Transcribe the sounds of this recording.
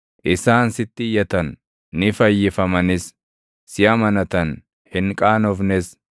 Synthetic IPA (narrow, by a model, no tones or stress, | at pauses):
ʔɪsaːnsɪt̪ːɪjɐt̪ɐnː | ɪfɐjːɪfɐmɐnɪs | sɪɐmɐnɐt̪ɐn | hɪŋkʼaːnɔfnɪs